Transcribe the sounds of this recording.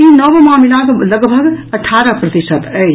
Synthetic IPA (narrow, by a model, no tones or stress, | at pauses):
inəʋmamilakləɡbʱəɡəʈʰaɾəpɾət̪isət̪əj